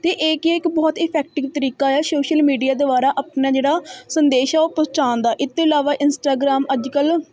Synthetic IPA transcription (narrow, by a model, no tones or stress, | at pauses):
t̪eːʔɪkiɪkbɔːt̪ɪpʰɛːk̚ʈɪʋt̪əɾiːkaːaːsoːʃəlmiːɖijaːd̪obaːɾaːʔaːpnaːd͡ʒeːɽaːsənd̪eːʃɛːoːpət͡ʃaːnd̪aːʔɪt̪ːeɪlaːʋaːʔɪnsʈaːɡɾaːməd͡ʒkəl